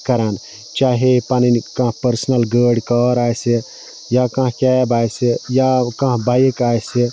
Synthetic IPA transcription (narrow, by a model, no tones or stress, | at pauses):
kəɾan | t͡ʃaɦepaninkãɦpəɾsənəlɡəɽkəɾajse | jakãɦkɛbajsejakãɦbajekajse